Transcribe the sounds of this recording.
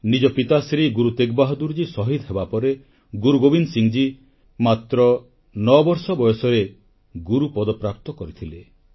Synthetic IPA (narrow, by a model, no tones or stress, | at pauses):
nid͡ʒɔpit̪asɾiɡuɾut̪eɡbaɦɔd̪uɾd͡ʒisɔɦid̪ɦebapɔɾe | ɡuɾuɡobinsiŋd͡ʒi | mat̪ɾɔ | nɔbɔɾsɔbɔjɔsɔɾe | ɡuɾupɔd̪ɔpɾap̚t̪ɔkɔɾit̪ʰile